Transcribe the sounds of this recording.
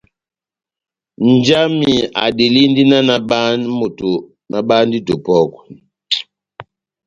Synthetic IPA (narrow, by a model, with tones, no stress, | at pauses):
n˨d͡ʒa˦mi˨a̰˨di˨li˦n˦di˦na˦na˨ba˦nmo˨to˨ | na˨ba˦n˦di˦to˨pɔ˦k